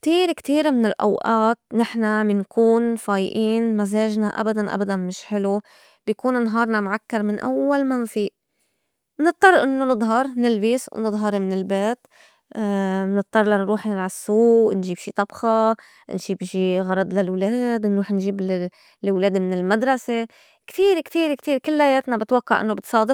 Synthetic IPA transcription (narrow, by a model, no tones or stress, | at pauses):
kt̪iːɾkt̪iːɾmɪnɪlʔa̰wʔaːt̪̚nɪħnamɪnkuːnfaːjʔiːnmazeːʒnaʔa̰bad̪anʔa̰bad̪anmɪʃħɪlu | b̥jkuːnɪnɦɑːɾˤnɑmʕakːɑɾˤmɪnʔa̰wːalmanfiːʔ | nɨt̪ˤːɑrˤːʔɪnːonɨd̪ˤɦɑɾˤnɪlbiːswnɨd̪ˤɦɑɾˤmɪnɪlbeːt̪ | nɨt̪ˤːɑrˤlanɾuːħnɪlʕasːuːʔnʒiːbʃiːt̪ˤɑbxɑ | nʃiːbʃiːɣɑɾˤɑd̪ˤlalwleːd̪nɾuːħnʒiːb | lwleːd̪mɪnɪlmad̪ɾˤɑse | kt̪iːɾkt̪iːɾkt̪iːɾkɪlːajeːt̪nabɪt̪wakːaʕʔɪ̰nːobɪt̪sˤɑːd̪ˤɨf